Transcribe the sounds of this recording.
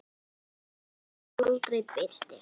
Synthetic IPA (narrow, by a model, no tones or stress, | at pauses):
ʊt̪reːt̪̚pæːt̪ɬt̪eː